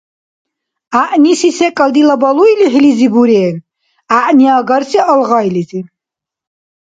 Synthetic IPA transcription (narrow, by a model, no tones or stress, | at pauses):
aʔnisisɛkʼald̪ilabaluiliɦlizibuɾɛːn | aʔniaɡaɾsiʔalʁajlizi